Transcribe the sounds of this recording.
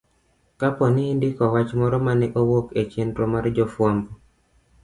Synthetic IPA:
kapɔniːndɪkɔwat͡ʃmɔɾɔmanɛʔowoket͡ʃendɾomard͡ʒɔfwambo

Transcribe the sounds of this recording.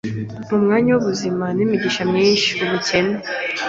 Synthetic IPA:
m̥umŋaːɲawuβuzimanimiɟiʃamɲiːnʃiuβuce̞ne

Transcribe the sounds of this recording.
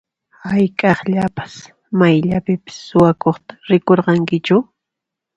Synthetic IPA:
hajkʼɑχʎapḁs | majʎapɪpɪ̥sːʊwakoχt̪ḁɾɪkoɾqɑŋkɪt͡ʃʊ

